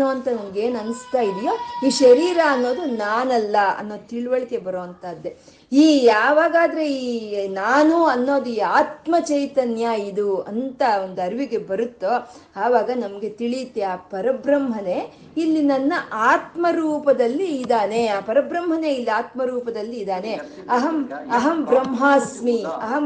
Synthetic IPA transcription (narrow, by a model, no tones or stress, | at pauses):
oːɐnt̪ɐnɐmɐɡeːnɐnist̪aːjid̪ijoːiːʃɐɾiːɾaɐnːo̞ːd̪unaːnɐlːɐɐ̰nːo̞ːt̪iɭʋɐɭike̞bɐɾoːɐnt̪aːd̪ːe̞ | iːaːʋaːɡaːd̪ɐɾe̞iːnaːnuɐnːo̞ːd̪uiːaːt̪mɐt͡ʃɐjt̪ɐnjaid̪uɐ̰nt̪ɐond̪uɐɾʋiɡe̞bɐɾut̪ːo | aːʋaːɡɐnɐmɐɡe̞t̪iɭit̪ːeaːpɐɾɐbɾɐmɦɐne̞ | ilːinɐnːɐʔaːt̪mɐɾuːpɐd̪ɐlːiːd̪aːne̞aːpɐɾɐbɾɐmɦɐne̞ilːiaːt̪mɐɾuːpɐd̪ɐlːiːd̪aːne̞ | ɐɦɐmɐɦɐmbɾɐmɦaːsmiɐɦɐm